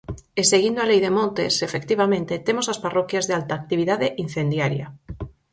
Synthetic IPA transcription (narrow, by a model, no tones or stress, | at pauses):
eseɣind̪oalejðemõnt̪ḛsefekt̪iβ̞amẽnt̪et̪emosasparɔkjazðealt̪aːk̚t̪iβ̞iðaðeʔin̟θend̪jaɾja